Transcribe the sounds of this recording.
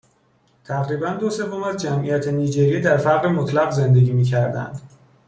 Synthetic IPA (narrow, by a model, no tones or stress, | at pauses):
t̪ʰæʁɾiːbænd̪ose̞vːomæzd͡ʒæmʔijæt̪ʰeniːd͡ʒeɾiːd̪æɾfæɾʁɾemot̪ʰlæɣze̞nd̪e̞ɟiːmiːcʰæɾd̪æ̰nd̪̥